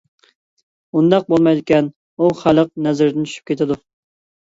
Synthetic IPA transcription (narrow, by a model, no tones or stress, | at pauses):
und̪ɑq̚bolˠmɑjd̪ɪkʲɛn | uχælˠəq̚nɛzɪɾd̪ɪnt͡ʃʰy̥ʃʰy̥p̚kʲet̪ʰɪd̪u